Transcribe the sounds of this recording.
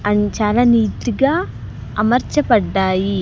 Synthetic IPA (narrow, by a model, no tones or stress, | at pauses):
ɐɲt͡ʃalɐniːt̪iɡaː | ɐmɐɾt͡ʃɐpɐɖːaːji